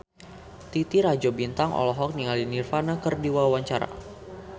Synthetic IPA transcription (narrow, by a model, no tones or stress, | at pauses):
t̪it̪iɾad͡ʒɔbint̪aŋʔɔ̰lɔɦɔk̚niŋalinirfanakərdiwawawaɲt͡ʃaɾa̰